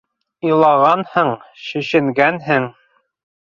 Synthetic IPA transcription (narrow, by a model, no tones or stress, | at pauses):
ilˠɑʁɑnhɤɴɕɵ̆ɕɘ̆ŋɡænɦɘŋ